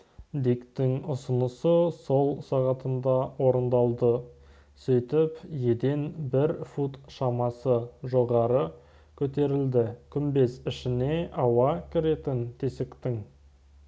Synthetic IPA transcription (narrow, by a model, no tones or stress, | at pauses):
d̪ikt̪ɪŋʊsənəsəso̞lˠsɑʁɑt̪ənd̪ɑwoɾənd̪ɑlˠd̪ə | sɵjt̪ɪpje̞d̪e̞nbɪɾfut̪ʃɑmɑsəʒoʁɑɾə | kʲʰɵt̪e̞ɾɪld̪ɪkʲʰʏmbe̞sɪʃɪne̞ʔɑwɑkʲʰɪɾe̞t̪ɪnt̪ʰesɪkt̪ɪŋ